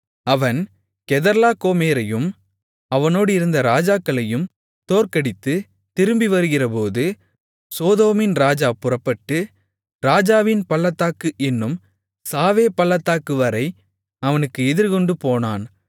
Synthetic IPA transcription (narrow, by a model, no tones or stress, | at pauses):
ɐʋɐn | kɛðɐɾlaːkoːmeːɾɐjɯm | ɐʋɐnoːɽɪɾɯnd̪ɐɾaːd͡ʒaːkːɐɭɐjɯm | t̪oːrkɐɽɪt̪ːɯ | t̪ɪɾɯmbiʋɐɾɯɣɪrɐpoːðɯ | soːðoːmɪnɾaːd͡ʒaːpʊrɐpːɐʈːɯ | ɾaːd͡ʒaːʋɪnpɐɭːɐt̪ːaːkɯʔɛnːɯm | saːʋeːpɐlːɐt̪ːaːkɯʋɐɾɐɪ | ɐʋɐnɯkːɯɛðɪɾkɔɳɖɯpoːna̰ːn